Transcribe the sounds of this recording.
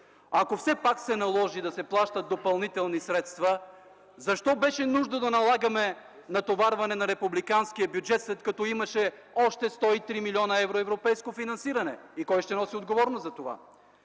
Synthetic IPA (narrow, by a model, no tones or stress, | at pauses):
ɐkofsɛpaksɛnɐlˠɔʒid̪ɐsɛplˠaʃt̪ət̪̚d̪opɐlˠnit̪ɛlˠnisɾɛt̪st̪vɐ | zɐʃt̪ɔbɛʃɛnuʒd̪əd̪ɐnɐlˠaɡəmɛ | nɐt̪ovaɾvɐnɛnɐɾɛpublikanskijəbjud͡ʒɛt̪slɛt̪̚kɐt̪ɔimɐʃɛ | ɔʃt̪ɛst̪ɔit̪ɾimilʲiɔnɐɛvɾoɛvɾopɛjskofinɐnsiɾɐnɛikɔjʃt̪ɛnɔsiod̪ɡovɔɾnozɐt̪ova̰